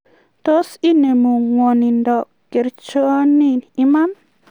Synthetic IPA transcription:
t̪o˦si˦ne˨mu˨wɔ˨ni˨nd̪ɔ˨ | ke˨ɾt͡ʃɔ˦nini˦ma˦n

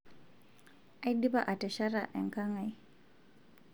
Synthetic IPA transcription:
a˦i˦di˦ba˦ʔa˨tɛ˨ʃa˦ɾa˨ʔɛ˨ŋka˦ŋa˨i˦

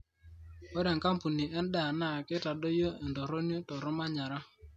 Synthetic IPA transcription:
o˦ɾɛ˨ŋka˦mpu˨ni˨ɛ˦n˦ɗa˦˨na˦˨kɪ˦ta˨ɗo˦jo˦ɛ˨ndɔ˨ɾo˦ni˦tɔ˨ɾɔ˦ma˦ɲa˨ɾa˦

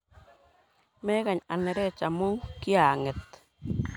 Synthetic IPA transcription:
me˦ɣa˨ɲa˨ne˨˧ɾe˦˨t͡ʃa˨mu˦ŋkja˨ŋe˨t̪̚

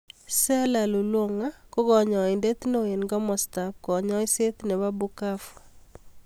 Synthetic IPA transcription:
sɛ˦la˨lu˨lwo˦ŋa˦ko˦ɡɔ˨ɲɔ˨ɪ˨nde˦t̪no˦e˨nɡɔ˦mɔ˨st̪a˨p̚kɔ˨ɲɔ˦ɪ˦se˦t̪ne˨wa˦bu˦ka˦fu̥˨

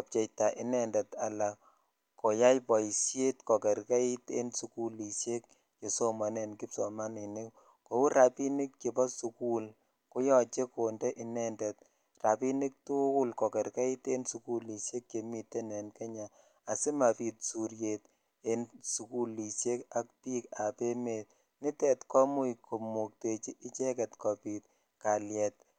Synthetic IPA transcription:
ɔ˨p̚t͡ʃɛ˨jta˨ʔɪ˦nɛ˨ndɛ˨ta˨la˨ | kːo˨ja˦jpɔ˨i˨sje˦tkɔ˨kɛ˨ɾka˦i˦tḛ˦nsu˨ku˦li˨sje˦k̚ | t͡ʃe˨so˦ma˨ne˨nki˦pso˨ma˦ni˨ni˦ | ko˨wu˦ɾa˨pi˦nɪ˦k̚t͡ʃe˨pɔ˦su˨ku˦l | ko˦jɔ˨t͡ʃe˦ko˨ndɛ˦ʔi˦nɛ˦ndɛ˨t̚ | ra˨pi˦ni˦k̚tu˦kʊ˦lkɔ˨kɛ˨ɾkɛ˦i˦te˦nsu˨ku˦li˨ʃje˦kke˨mi˨tːe˦nɛ˨nke˦ɲa˨ | a˨sɪ˦ma˨pi˨tsu˨ɾje˨t | e˨nsu˨ku˦lːi˨ʃje˦ka˨k̚piː˦ka˨pe˦me˨t̚ | nɪ˦tɛ˨tkɔ˦mʊ˦jkʰo˨mu˨k̚te˨t͡ʃi˦ʔɪ˦t͡ʃɛ˦kɛ˨tkɔ˨pi˨t̚ | ka˨ljɛ˨t̚

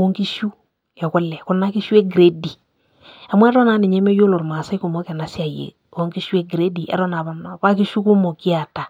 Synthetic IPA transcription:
o˦ŋki˦ʃu˦ | ɛ˨kʊ˦lːɛ˨kʊ˨na˦kɪ˦ʃu˦e˦ɡɾe˦di˨ | a˨mwɛ˦ɾɔ˦naː˨˦nɛ˨ɲɛ˦mɛ˦jo˦lo˨ɾma˨sa˦i˦ku˨mɔ˦kɛ˨na˦sɪ˦a˨jḛ˨ | o˦ŋki˦ʃu˦e˦ɡɾe˦di˨ɛ̰˦ɾɔ˦na˨βa˦n˨pa˦ki˦ʃu˦ku˦mo˨ki˦a˨ta˨

